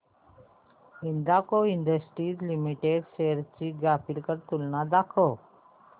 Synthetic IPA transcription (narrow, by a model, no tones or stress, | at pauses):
ɪnd̪akoɪɳd̪əsʈiːzlimiʈeːɖseːɾt͡ʃiːɡaːfʰɪlkəɾt̪ʊlnad̪aːkʰoː